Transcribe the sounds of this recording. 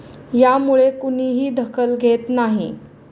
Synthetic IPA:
jamuɭekuniːɦiːd̪ʱəkʰəlɡʱet̪naɦḭ

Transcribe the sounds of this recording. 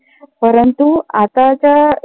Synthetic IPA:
pəɾənt̪uat̪at͡ɕa

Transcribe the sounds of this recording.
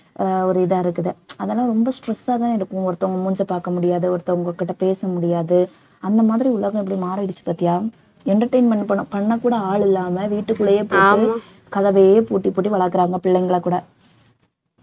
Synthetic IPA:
ɔɾɯɪðaːɪɾɯkːɯðɯɐðɐlːãːɾɔmbɐsʈɾɛsːaːtãːɪɾɯkːɯ̃ɔɾɯt̪ːɐ̃ʊŋɡɐmʊɲd͡ʒɐpaːɾkɐmʊɽɪjaːðɯɔɾɯt̪ːɐ̃ʊŋɡɐkːɪʈːɐpeːsɐmʊɽɪjaːðɯ | ɐnd̪ɐmaːðɪɾiʊɭɐɣɐ̃ɛpːɐɽimaːɾɐɽɪt͡ʃːɯ̥paːt̪ːɪjaː | ɛɳʈɐɾʈɐɪnmɛɳpɐɳːɯ̃pɐɳːɐkuːɽɐaːɭɪlːaːmɐʋiːʈːɯkːɯɭɐjeːpoːʈːi | kɐðɐʋɐjeːpoːʈːipːoːʈ̬ːiʋɐɭɐɾkːɯɾaːŋɡɐpɪɭːɐɪŋɡɐɭɐkuːɽɐ

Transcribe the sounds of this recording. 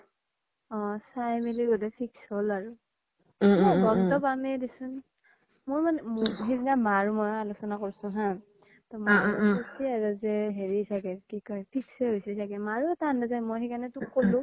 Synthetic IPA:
ɔsajmiliɡɔdɛpʰiksolaɹʊ | mɔjbɔŋtɔbamɛdisʊn | mʊɹmanɛmɦiziɡamaɹumojalusɔnakoɹsʊ̃ɦã | tɔmjesiaɹuzɛɦeɹisʰakɛkikɔjpʰiksɛɦojsisʰakɛmaɹuɛtandazajmojɦɛkanɛtʊkːolʊ̃

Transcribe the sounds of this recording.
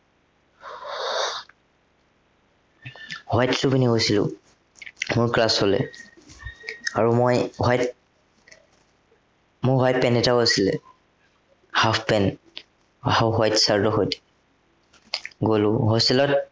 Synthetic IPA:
hwajtsubiniɦojsilʊ̰ | mʊɹklasɔlɛ̰ | aɹumojɦajt̚ | mʊɹɦajt̚pɛnɛtawasilɛ̰ | hafpɛn | ahawɦwajtsaɹdɔɦojt | ɡolʊɦosilɔt̚

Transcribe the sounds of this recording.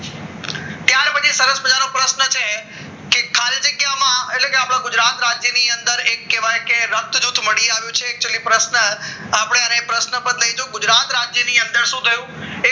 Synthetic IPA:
t̪jãɾpət͡ʃʰisəɾəsbəd͡ʒaɾũpɾəsnət͡ʃʰe | kekʰalid͡ʒəɡjamãetlekeapɽ̃ãɡʊd͡ʒɾat̪ɾad͡ʒjəniə̃nd̪əɾekːeʋajkeɾək̚t̪d͡ʒut̪ʰməɽiaʋjũt͡ʃʰeːk̚t͡ʃelĩpɾəsnə | apəɽ̃eənẽpɾəsnəpət̪ləid͡ʒoɡʊd͡ʒɾat̪ɾad͡ʒjəniə̃nd̪əɾsũt̪ʰəjũ | e

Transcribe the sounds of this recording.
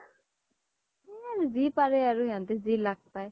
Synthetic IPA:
ɛanzipaɾɛaɾuejant̪ɛzilaɡ̚paj

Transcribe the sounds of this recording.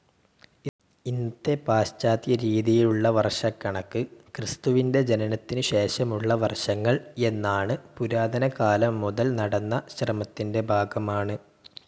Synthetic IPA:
int̪ːe̞paːɕt͡ɕaːt̪jɐɾiːðijiluɭːɐʋɐrʂɐkːɐɳɐkːɨkrɨst̪uʋinde̞d͡ʑenɐnɐt̪ːinɨɕe̞ːɕɐmuɭːɐʋɐrʂɐŋːɐɭe̞nːaːɳɨpuɾaːd̪ʱɐnɐkaːlɐmːuðɐlnɐɽɐnːɐɕrɐmɐt̪ːinde̞bʱaːɡɐmaːɳɨ

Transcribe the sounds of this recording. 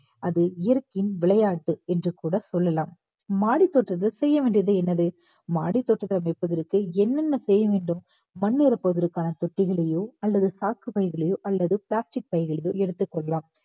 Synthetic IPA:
ɐðɯɪjɐɾkːɪnʋɪɭɐjaːʈːɯɛndrɯkuːɽɐsɔlːɐlaːm | maːɽit̪ːɔʈrɐt̪ːɐlsɛjːɐʋeːɳɖɪɐðɯɛnːɐðɯ | maːɽit̪ːɔʈːɐt̪ːɐlɐmɛpːɐðɪɾɯkːɯɛnːɛnːɐsɛjːɐʋeːɳɖɯm | mɐnːeɾɐpːoːðɐɾɯkːaːnɐt̪ɔʈːɪɣɐɭɐjoːɐlːɐðɯsaːkɯpɐɪɣɐɭɐjoːʔɐlːɐðɯpɭaːsʈɪk̚pɐɪɣɐɭɐjoːɛɽɯt̪ːɯkːɔɭːɐlaːm

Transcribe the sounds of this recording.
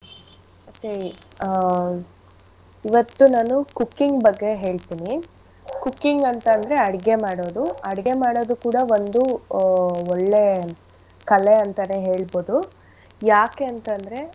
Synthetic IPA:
oke | iʋɐt̪ːunaːnukukːiŋɡbɐɡːe̞ɦe̞ːɭt̪iːni | kukːiŋɡɐnt̪ɐnd̪ɐɾe̞ɐɽiɡe̞maːɽo̞ːd̪uɐɽiɡe̞maːɽo̞ːd̪ukuːɽɐʋond̪u | ɔɭːe | kɐle̞ɐnt̪ɐneɦe̞ːɭbo̞ːd̪u | jaːkeɐnt̪ɐnd̪ɐɾe̞

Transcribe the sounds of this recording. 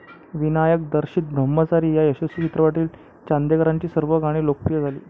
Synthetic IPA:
ʋinajək̚d̪əɾɕiːt̪̚bʱəmːət͡saɾiːjajəɕəsit͡ɕʰit̪ɾəʋaʈiːl | t͡ɕãnd̪jekəɾaɲt͡ɕiːsəɾʋəɡaɽ̃iːlok̚pɾijəd͡zʱalḭː

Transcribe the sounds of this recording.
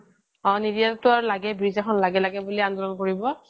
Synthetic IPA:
ɔ̃nidiatʊaɹulaɡɛbɹizaxʰɔnlaɡɛlaɡɛbuliandɔlɔnkoɹibɔ

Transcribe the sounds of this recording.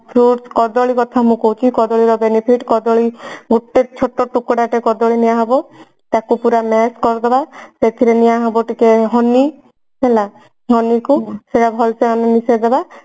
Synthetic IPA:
pʰɾuʈskɔd̪ɔɭikɔt̪ʰamũkowut͡ʃʰikɔd̪ɔɭiɾɔbenipʰiʈkɔd̪ɔɭiɡuʈːet͡ʃʰoʈːɔʈukɔɽaʈekɔd̪ɔɭinijaɦɔbɔ | t̪akupuɾameskɔɾd̪ebaset̪ʰiɾenijaɦɔbɔʈikeɦɔni | ɦela | ɦɔnikuseɾabʱɔlseanɔnised̪eba

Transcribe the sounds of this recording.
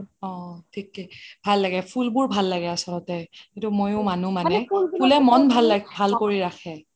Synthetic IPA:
ɔtʰikːɛbʱalːaɡɛpʰulbʊɹbʱalːaɡɛasɔlɔtɛkĩtumojʊmanumanɛpʰulɛmɔnbʱalːabʱalkoɹiɹakʰɛ

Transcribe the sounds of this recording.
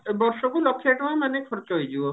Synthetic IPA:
bɔɾsɔkulɔkʰːeʈɔmamanekʰɔɾt͡ʃɔɦojd͡ʒibɔ

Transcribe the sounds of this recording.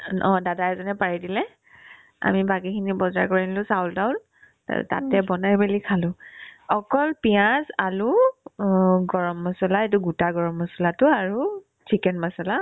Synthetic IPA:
ʔɔ̃dadaɛzɔnɛpaɹidilɛ | a̰mibakikʰinibɔzaɹkɔɹinlʊsawldaʊ̃l̰ | ta̰tɛbɔnaɹbelikʰalʊ̃ɔkɔlpijãsalʊ | ɡɔɹɔmːɔsɔlaet̬uɡutaɡɔɹɔmːɔsɔlatʊaɹu | t͡ʃikɛnmasɔla

